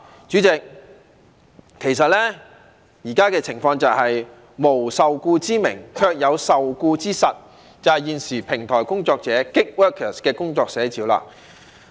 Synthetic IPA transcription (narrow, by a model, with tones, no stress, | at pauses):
t͡ʃyː˨˥t͡sɪ˨k̚ | kʰːe˨˩jsɐ˨t̚lɛː˥ | jiː˨˩kaː˥kɛː˧t͡sʰɪ˨˩ŋfɔː˧ŋt͡sɐ˨˩whɐ˨j | mo˨˩wsɐ˨wkuː˧t͡siː˥mɪ˨˩ŋkʰœː˧k̚jɐ˨˧wsɐ˨wkuː˧t͡siː˥sɐ˨t̚ | t͡sɐ˨whɐ˨jiː˨nsiː˨˩pʰɪ˨˩ŋt̪ʰɔː˨˩jkʊ˥ŋt͡sɔː˧k̚t͡sɛː˨˥kɪ˥k̚wœː˥kʰəː˨˩skɛː˧kʊ˥ŋt͡sɔː˧k̚sɛː˨˥t͡siː˨˥wla̰ː˧